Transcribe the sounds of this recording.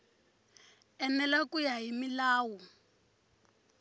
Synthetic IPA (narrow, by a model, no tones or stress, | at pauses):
ɛnɛlakujaɦimilaːwu